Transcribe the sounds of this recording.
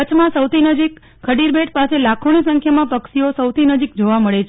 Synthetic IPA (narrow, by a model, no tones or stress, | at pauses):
ət͡ʃʰmãsəwt̪ʰinəd͡ʒik | kʰːəɖiɾbeʈpaselakʰonisə̃ŋkʰjamãpəkʃiosəwt̪ʰinəd͡ʒik̚d͡ʒoʋaməɭet͡ʃʰ